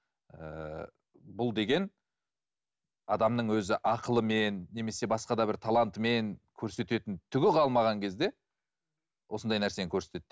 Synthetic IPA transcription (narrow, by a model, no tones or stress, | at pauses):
ə | bʊlˠd̪e̞ɡʲe̞n | ɑd̪ɑmnəɴwɵzɪʔɑqəlˠəme̞nːe̞me̞se̞bɑsqɑd̪ɑbɪɾt̪ʰɑlˠɑnt̪me̞ŋkʲʰɵɾse̞t̪e̞t̪ɪnt̪ʰʏɡʲɪqʰɑlˠmɑʁɑŋkʲʰe̞zd̪e̞ | wʔo̞sənd̪ɑjnæɾse̞eŋkʲʰɵɾse̞t̪e̞t̪ːɪ